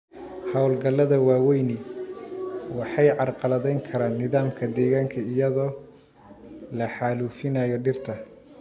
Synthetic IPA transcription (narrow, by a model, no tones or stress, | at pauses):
hɑwlɡɐlːɐðɐwɑːwɛjnɪ | wɑħɑjʕɑrqɑlɐðɛjŋkʰɐɾaːnːɪðaːmkʰɐd̪ɛːɣaːŋkʰɐɪjɐðɔː | lɐħɑːluːfɪnaːjɔɖɪrt̪ʰɐ